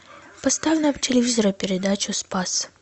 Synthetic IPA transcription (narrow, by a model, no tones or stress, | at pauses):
pɐst̪avʲɪnɐptʲɪlʲɪvʲizəɾɐpʲɪɾʲɪd̪at͡ɕʊspas